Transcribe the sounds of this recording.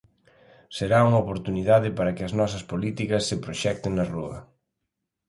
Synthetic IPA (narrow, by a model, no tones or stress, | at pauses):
seɾauŋɐopoɾt̪uniðaðɪpaɾɐkɪɐznɔsɐspolit̪ikɐsːepɾoʃɛk̚t̪eŋnɐruɐ̰